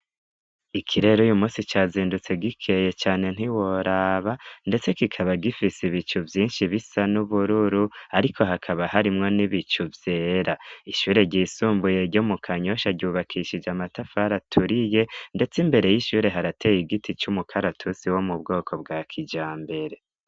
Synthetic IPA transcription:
ikʰiɾe̞ɾojumuːsit͡ʃaziːndut͡se̞ɡikʰe̞je̞t͡ʃaːne̞n̥iwo̞ɾaβande̞t͡se̞kikʰaβaɡifisiβit͡ʃuvjiːnʃiβisanuβuɾuɾuaɾikʰo̞ɦakʰaβahaɾimŋo̞niβit͡ʃuvje̞ːɾaiʃuːɾe̞ɟiːsuːmbuje̞ɾɟomukʰaɲo̞ʃaɟuːβakʰiʃid͡ʒamatafaɾatʰuɾije̞nde̞t͡simbe̞ɾe̞jiʃuːɾe̞ɦaɾatʰeːjiɡitit͡ʃumukʰaɾatʰusiwo̞mubɡo̞ːkʰo̞bɡakʰid͡ʒaːmbe̞ɾe̞

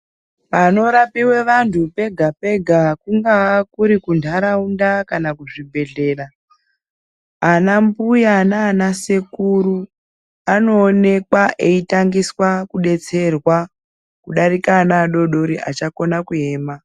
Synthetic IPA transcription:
pano̞ɾapiwe̞ʋantʰupe̞ɡʱape̞ɡʱakuŋɡakuɾikundʱaɾaundakanakuʐibʱe̞ɮe̞ːra | anambujanaːnase̞kuɾu | ano̞ːne̞kwaʔeitaŋɡiswakuɗe̞t͡se̞rwa | kuɗaɾikanaɗo̞ɗoɾiʔat͡ʃako̞nakue̞ːma

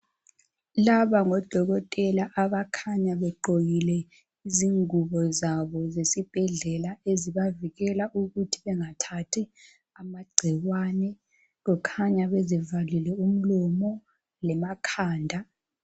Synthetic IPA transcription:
laβaŋɔd̥ʱɔɣɔtʼɛlaʔaβakʰaɲaβɛǃoɣilɛ | iziŋuβɔzaβɔzesib̥ʱɛɮɛlaeziβaviɣɛlaʔuɣutʰi̥βɛŋatʰatʰi | amaɡ͡ǀʱiɣwanɛ | ɣɔkʰaɲaβezivalilɛum̩lɔmɔ | lɛmakʰaːndʱa

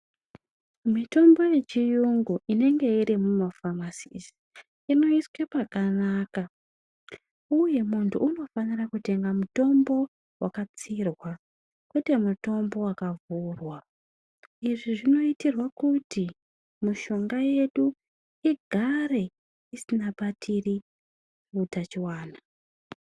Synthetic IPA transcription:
mito̞mbo̞je̞t͡ʃijuŋɡuʔine̞ŋɡe̞iɾimumafamasisi̥ | ino̞iswepakanaːka | uje̞muntʰuːno̞fanirakute̞ŋɡamuto̞mbo̞ | wakat͡sirwa | kwete̞muto̞mbo̞wakavurwa | iʐiʐino̞itirwakuti | muʃo̞ŋɡaje̞ɗu | iɡʱare̞ | isinaɓatʰiri | utat͡ʃiwaːna

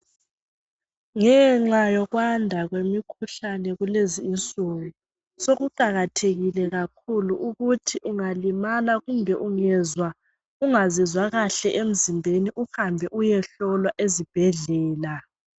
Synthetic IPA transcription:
ŋɛŋ͡ǁajɔɣwandʱaɣwemikʰuɬanɛɣuleziːnt͡sʼuɣu | soɣuǃaɣatʰeɣilɛɣakʰuluʔuɣutʰiʔuŋalimalaɣumbʱɛʔuŋɛzwa | uŋazizwaɣaɬɛʔem̩zimbʱeniʔuxambʱɛʔujɛɬɔlwaʔezib̥ʱɛɮɛːla

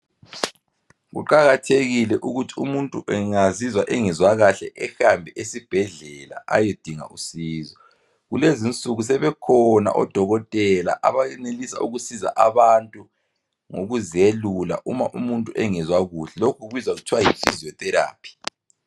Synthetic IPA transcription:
ɣṵǃaɣatʰeɣilɛʔuɣutʰi̥umuntʼuʔɛŋazizwaʔɛŋɛzwaɣaɬɛʔɛhambʱɛʔesib̥ʱɛɮɛla̰ʔa̰jed̥ʱiŋa̰ʔusiːzɔ | ɣulezint͡sʼuɣus̬ɛβɛkʰɔna̰ʔɔ̰d̥ʱɔɣɔtʼɛla̰ʔa̰βaɛnelisa̰ṵɣusiza̰ʔaβantʼu | ŋoɣuzelula̰ʔumaʔumuntʼuʔɛŋɛzwaɣuɬɛlokʰuuβizwaɣutʰiwajifʼḭzijɔθʼɛɾa̰ːpʰi̥

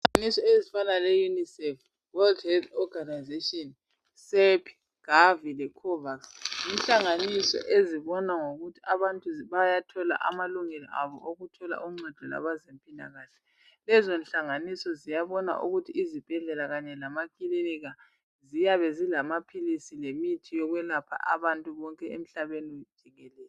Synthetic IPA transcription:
nisɔezifanalɛjunisɛf | wɛldhɛdɔɡanajzetɔn | sɛpʰi̥ | ɣ̥avilɛkʰɔvaksinɬaŋanisɔ̰ʔeziβɔnaŋoɣutʰiaβantʼuβajatʰɔla̰ʔa̰maluŋɛlɔ̰ʔaβɔ̰ʔoɣutʰɔla̰ʔuŋ͡ǀɛd̥ʱɔla̰βazempʼina̰ɣaːɬɛ̥ | lɛzonɬaŋanisɔzijaβɔna̰ʔṵɣutʰiːzib̥ʱɛɮɛlaɣaɲɛlamakʼiliniɣa | zijaβɛzilamapʰilisilemitʰijɔɣwɛlapʰa̰ʔa̰βantʼuβɔŋkʼɛem̩ɬaβenid̥ʒ̥ʱiɣɛlɛːl

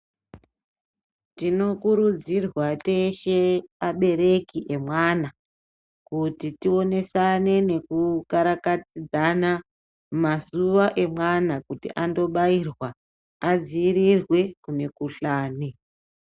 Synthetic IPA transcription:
tino̞kuɾud͡zirwate̞ʃeaɓe̞ɾe̞kiʔe̞mwana | kutitio̞ne̞sane̞ne̞kukaɾakatid͡zana | mazuʋaʔe̞mwanakutḭʔando̞ɓairwa | ad͡ziːɾirwe̞kune̞kuɬaːni

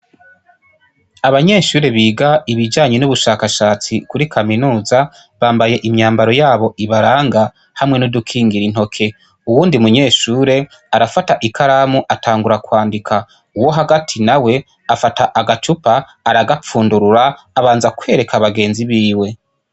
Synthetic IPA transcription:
aβaɲe̞ʃuːɾe̞βiːɡaiβid͡ʒaːɲe̞nuβuʃaːkaʃaːt͡sikuɾikʰaminuːza | βaːmbaje̞ʔimɲaːmbaɾo̞jaːβo̞ʔiβaɾaːŋɡa | hamŋe̞nudukʰiːŋɡiɾin̥o̞kʰe̞ | uwuːndiumuɲe̞ːʃuːɾe̞ | aɾafataʔikʰaɾamuʔatʰaːŋɡuɾakwaːndikʰa | uwo̞ɦaɡatʰinawe̞ | afataʔaɡat͡ʃupaː | ɾaɡap͡fuːnduɾuɾaː | βaːnzakwe̞ːɾe̞kʰaβaɡe̞ːnziβiːwe̞

